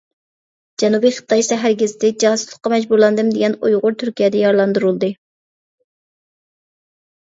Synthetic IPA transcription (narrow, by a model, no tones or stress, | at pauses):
d͡ʒɛnubijχə̥t̪ʰːɑjsɛɦæɾɡʲɪzɪd̪ɛk̚d͡ʒɑsu̥slˠə̥qːɑmɛd͡ʒbuɾlˠɑnd̪ɨmd̪eɡʲɛnujʁʊɾt̪ʰyɾkʲijɛd̪ɛjɑɾlˠɑnd̪uɾulˠd̪ɨ